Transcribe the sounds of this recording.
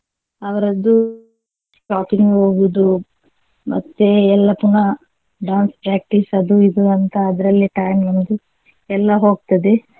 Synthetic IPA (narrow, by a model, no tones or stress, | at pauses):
ɐʋɐɾɐd̪ːu | paːʈ̪inɦoːɡud̪u | mɐ̰t̪ːeɛlːɐpunɐ | ɖaːnspɾaːk̚ʈisɐd̪uid̪uɐnt̪ɐːd̪ɐɾɐlːiʈɐjmnɐnd̪u | ɛlːɐɦo̞ːɡ̚t̪ɐd̪e